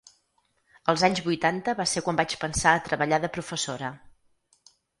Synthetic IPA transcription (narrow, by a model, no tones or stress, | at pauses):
əlˠzaɲzβujt̪ant̪əβaseɾkwambat͡ʃpənsaət̪ɾəβəʎaðəpɾufəsoɾə